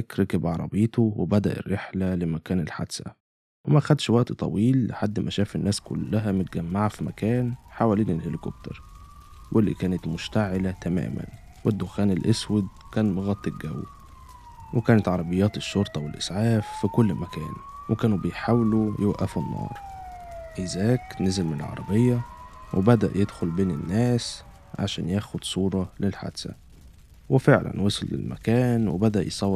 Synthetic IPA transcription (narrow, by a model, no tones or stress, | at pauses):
kɾɑkebʕɑɾˤɑ̰beːt̪owebæd̪æʔḛrːeħlælɪmækæːnelħa̰d̪sæ̰ | wemæʔxæd̪ʃwæʔt̪t̪ˤɑ̰wiːlːḛħad̪ːmæʃæːfenːæːskʊ̰lːæɦæmʊt̪̚ɡæmːaʕafimækæːnħawæliːnelhelɪkob̚t̪ɑ̰ɾˤ | wʔelːḭkæːnæt̪mʊʃt̪aʕɪlæt̪æmæ̰ːmæ̰n | wed̪ːoxæːnelʔeswed̪ | kæːnmoɣɑt̪ˤːeɡæw | wekæːnæt̪ʕɑɾˤɑbejːæːt̪eʃːoɾˤt̪ˤɑwelʔɪsʕaːfːikʊlːmækæ̰ːnwekæːnubejħaːwlujewʔæfɪnːɑ̰ːɾˤ | ʔɪzæːknezelmɪnelʕɑ̰ɾˤɑbejːæwʔebæd̪æʔjed̪xolbeːnɪnːæːs | ʕa̰ʃæ̰ːnjæːxod̪̥sˤuːɾˤɑlelħa̰d̪sæ̰ | wefeʕlæ̰nwɑsˤɑlːɪ̰lmʔæ̰kæːnwebæd̪æʔjsˤɑwː